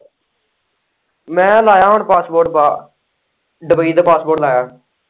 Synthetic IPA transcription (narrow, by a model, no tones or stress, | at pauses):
mɛ̃ːlaːjaːɦʊɳpaːsboːɾʈ̚baː | ɖəbəiːd̪aːpaːsboːʈlaːjaːɳ